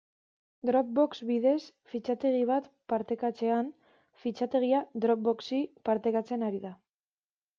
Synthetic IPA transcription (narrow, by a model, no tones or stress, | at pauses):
d̪ɾo̞k̚bo̞kzβiðe̞s | fit͡ʃat̪e̞ɣ̞iβ̞at̪paɾt̪e̞kat͡se̞an | fit͡ʃat̪e̞ɣ̞iad̪ɾo̞k̚bo̞ksipaɾt̪e̞kat͡se̞naɾiða